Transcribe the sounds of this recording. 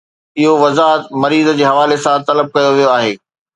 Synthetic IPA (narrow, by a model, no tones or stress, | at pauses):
ɪɦoʋɐzaːɦət̪mɐɾiːzə̆d͡ʑeːɦɐʋaːlesãt̪ɐləb̚kɐjoʋijoaːɦeː